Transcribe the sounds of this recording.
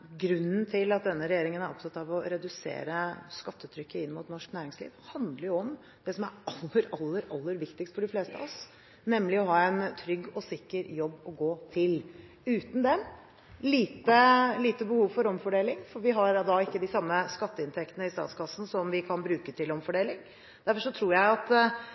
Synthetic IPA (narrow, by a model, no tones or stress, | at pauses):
ɡɾʉnːnt̪ʰɪlɑt̪̚d̪ɛnːəɾɛjeːɾɪŋənæɾɔ̰psɑt̪ɑʋɔɾɛd̪ʉsḛːɾəskɑt̪ʰːət̪ʰɾʏkːəɪnːmʊt̪nɔʂknæːɾɪŋslḭːʋhɑnd̪ləɾjʊɔm | d̪̥ɛsɔmæɾɑlːəɾɑlːəɾɑlːəɾʋɪkt̪ɪkst̪fɔɖɪfleːst̪ə̰ɔs | nɛmːlɪɔɦɑːɛnt̪ʰɾʏɡːɔsɪkːəɾjɔbːɔɡoːt̪ʰɪl | ʉːt̪n̩d̪ɛ | liːt̪əliːt̪əbəhuːʋfɔɾɔmfɔɖeːlɪŋfɔɾʋɪɦɑɾd̪ɑɪkːəd̪ɪsɑmːəskɑt̪ːəɪnt̪ʰɛkt̪ənəɪst̪ɑ̰ːt̪skʰɑsːn̩sɔmʋɪkʰɑnbɾʉːkət̪ʰɪlɔmfɔɖeːlɪŋ | d̪̥æɾfɔʂɔt̪ʰɾuːɾjæɪɑt̪